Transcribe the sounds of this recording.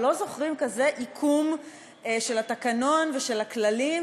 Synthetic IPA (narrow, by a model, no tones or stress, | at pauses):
lo̞zo̞χʁimkaze̞ʔikʰum | ʃe̞latakano̞nve̞ʃe̞laklalim